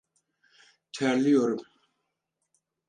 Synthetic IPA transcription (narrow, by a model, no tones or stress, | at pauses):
t͡ɕʰarlijorəp̚